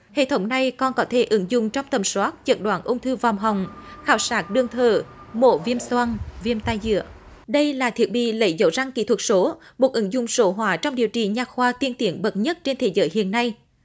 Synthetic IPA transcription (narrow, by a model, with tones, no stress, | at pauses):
hḛ˧˨t̪ʰə˨˦wŋ͡mna˨˩jkɔ˧nkɔ˨˦t̪ʰe˧˩ʔɨ˨˦ŋzʊ˨ŋ͡mt͡ɕɔ˧wŋ͡mt̪ə˨˩mswaː˦˥t̚t͡ɕə˨˩t̚ɗwaː˨˦nʔʊ˧wŋ͡mt̪ʰɨ˧va˨˩wŋ͡mɦa˨˩wŋ͡mxaː˨˩wsaː˦˥t̚ɗɨ˧əŋt̪ʰəː˨˩mo̰˧˨˦vi˧əmswa˧nvi˧əmt̪aː˧jzɨ̰˧˨ə | ɗə˧jlaː˨˩t̪ʰi˨˩ət̚ɓḭ˧˨lə̰˧˦jzə˧˦wza˧ŋkḭ˧˥t̪ʰwt̚so˨˦mo˨˩t̚ʔɨ˨˦ŋzʊ˨ŋ͡mso˨˦ɦwaː˨˦t͡ɕɔ˧wŋ͡mɗi˨˩əwt͡ɕḭ˧˨˩ɲaː˨˩xwaː˧t̪i˧ənt̪i˨˦ənɓə˨˩t̚ɲə˦˥t̚t͡ɕe˧nt̪ʰe˨˦zəː˨˦jhḭ˧˨ənːa˧j